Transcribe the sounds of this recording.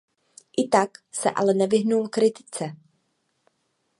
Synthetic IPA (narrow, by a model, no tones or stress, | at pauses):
ʔɪt̪aksɛ̰ʔa̰lɛnɛvɪɦnumkɾɪt̪ɪ̥t͡sɛ